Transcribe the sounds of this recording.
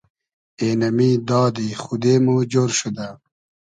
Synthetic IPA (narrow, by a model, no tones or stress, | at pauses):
enɐmid̪ɑːd̪ixud̪eːmud͡ʑoɾʃud̪a